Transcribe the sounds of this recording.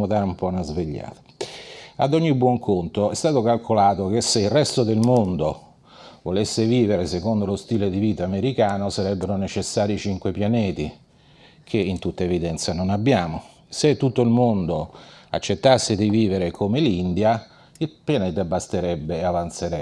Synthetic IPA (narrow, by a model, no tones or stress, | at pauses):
mod̪aːɾumpɔnazveʎːa̰ːt̪ḁ | a̰d̪ɔɲːibwɔŋkʰont̪oɛst̪aːt̪okalkʰolaːt̪ok̟esːeilrɛst̪od̪elmond̪o | volesːeviːveɾesekond̪olost̪iːled̪iviːt̪aːmeɾikaːnosaɾɛbːeɾonet͡ʃesːaːɾit͡ʃiŋkwepjanɛːt̪i | kʰeint̪ut̪ːaevid̪ɛnt̪sanonabːjaːmo | set̪ːut̪ːoilmond̪oa̰t͡ʃːet̪ːasːed̪iviːveɾekʰomelind̪ja | ilpjanɛːt̪abːast̪eɾɛbːeavant̪seɾɛ